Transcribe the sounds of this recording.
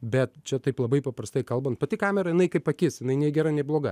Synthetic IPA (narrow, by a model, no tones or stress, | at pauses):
bʲɛt̪t͡ʃʲɛt̪ɐɪplˠɐbɐɪpɐpɾɐst̪ɐɪkɐlˠbɐnt̪̚pɐt̪ʲɪkɑːmʲɛɾɐjɪnɐɪkɐɪpɐkʲɪsjɪnɐɪnʲiɛɡʲɛɾɐnʲɛɪblˠoːɡɐ